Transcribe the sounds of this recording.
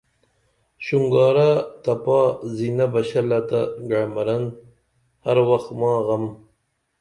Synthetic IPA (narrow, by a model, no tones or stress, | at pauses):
ɕuŋɡɑːɾat̪ɐpaːzinabɐɕalat̪aɡaɽmɐɾɐn | haɾwaxt̪mɑːɣɐm